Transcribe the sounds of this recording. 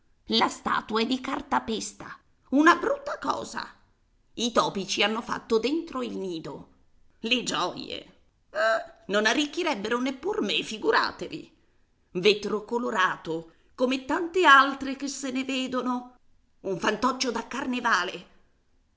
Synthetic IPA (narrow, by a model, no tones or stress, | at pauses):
last̪a̰ːt̪waɛd̪ːikart̪apest̪a | unabɾut̪ːakɔ̰ːza̰ | it̪ɔːpit͡ʃianːofa̰t̪ːod̪ent̪ɾoilniːd̪o | led͡ʒɔjḛ | nonarːikːiɾɛbːeɾonepːurmefiɡuɾa̰ːt̪evḭ | vet̪ɾokoloɾaːt̪o | komet̪ːant̪ealt̪ɾek̟esːeneveːd̪ono | uɱfant̪ɔd͡ʒːod̪akːarnevaːle